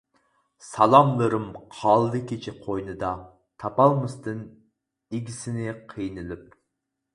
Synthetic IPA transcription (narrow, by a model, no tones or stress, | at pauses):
sɑlˠɑmlˠɨɾɨmqʰɑːlˠɨd̪ɨkʲit͡ʃʰiqʰojnɨd̪ɑ | t̪ʰɑpɑlˠmɨst̪ɨn | eɡʲisɪnɪqʰəjnɨlɪp̚